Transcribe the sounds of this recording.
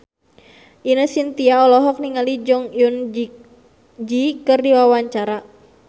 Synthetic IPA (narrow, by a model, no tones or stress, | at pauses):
ʔinəhsint̪iaɔlɔɦɔk̚niŋalid͡ʒɔŋjun | d͡ʒikərdiwawaɲt͡ʃaɾa